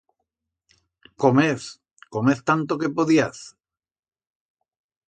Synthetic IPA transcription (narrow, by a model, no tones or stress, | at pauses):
komeθ | komeθt̪ant̪okepoðiaθ